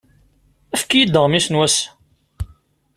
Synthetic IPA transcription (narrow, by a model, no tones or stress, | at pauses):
æfkijid̪ːəʁmisnwæs